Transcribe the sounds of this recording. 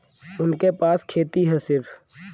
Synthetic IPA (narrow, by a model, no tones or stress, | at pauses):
ʊnkepaːskʰeːt̪iɦɛsɪɾpʰ